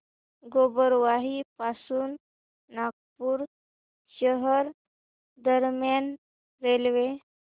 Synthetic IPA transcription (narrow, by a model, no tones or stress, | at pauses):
ɡobəɾʋaɦipasuːnː | aɡ̚puːɾ | ɕəɦəɾ | d̪əɾmjan | ɾelʋe